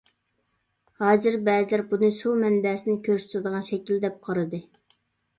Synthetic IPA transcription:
hɑːzɨɾbɛːzɪlæɾbunɨsumɛnbɛsɪnɪkʲʰøɾʃt̪ʰɨd̪əʁɑnʃɛkʲild̪ɛp̚qʰɑɾɨd̪ɨ

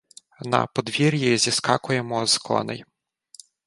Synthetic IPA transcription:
nɐ̰pɔd̪ʋʲiɾʲjizʲiskɑkʊjemɔzkɔ̰nɪ̰j

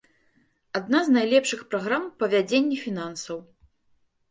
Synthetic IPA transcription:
ad̪naznajlʲɛpʂɨxpɾaɣɾampɐvʲad͡zʲenʲːɛfʲin̪ansɐw

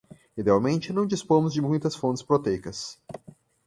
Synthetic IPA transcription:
id̪eawmẽnt͡ʃɪnɐ̃w̃d͡ʒispõmʊzd͡ʒɪmũj̃t̪ɐsfõt͡ʃ̪ɪ̥spɾot̪ejkɐs

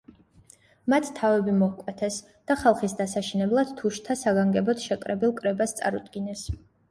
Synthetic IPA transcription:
mat̪ʰt̪ʰavɛbimɔkʼwɛt̪ʰɛs | d̪̥aχalˠχisd̪asaʃinɛblˠad̪̥t̪ʰuʃt̪ʰasaɡaŋɡɛbɔt̪ʰʃɛkʼɾɛbilˠkʼɾɛbast̪sʼa̰ɾud̪ɡinɛs

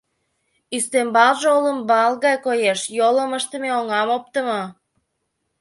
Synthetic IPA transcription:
ist̪embɑlʒeoləmbɑlˠɣɑjkojeʃjoləməʃt̪əmeoŋɑmop̚t̪əmo

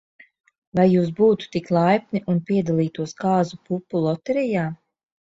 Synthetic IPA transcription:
vajːuːs̬buːt̪u̥t̪iklˠajpʲniʔunpiɛd̪alˠiːt̪uɔskaːzupupːulˠɔt̪ɛɾɛjaː

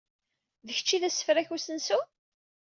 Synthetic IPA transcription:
ðəçət͡ʃːiðæsːə̥fɾæçusənsu

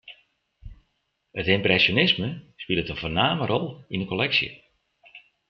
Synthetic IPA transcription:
ətɪmprɛsjonɪsməspilˠətənvoːnaːmərʔɔlˠinəkolɛksjə̰

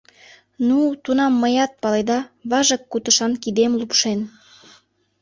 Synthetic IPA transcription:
nut̪unɑmːəjɑt̪̚pɑled̪ɑβɑʒəkːut̪əʃɑnkid̪emlupʃen

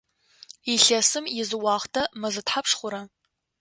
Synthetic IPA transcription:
iɬɐsɨmjɪzɨwɑːχtʰɐmɐzɨtħapʂχʷʊɾɐ

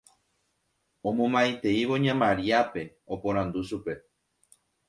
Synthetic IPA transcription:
õmõmajt̪eiβoɲãmaɾiape̞ | opoɾand̪usupe̞

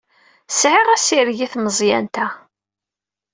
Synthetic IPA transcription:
sʕɪʁæsiɾʝiθməzˤjæ̰nt̪æ

